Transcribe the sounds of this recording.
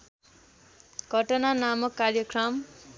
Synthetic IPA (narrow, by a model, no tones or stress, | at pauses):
ɡ̥ʱʌʈʌnanamʌkːarjʌkrʌm